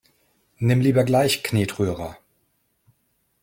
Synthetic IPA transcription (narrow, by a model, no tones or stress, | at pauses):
nɪmliːbɐɡlaɪçkneːtʁ̥yːʁɐ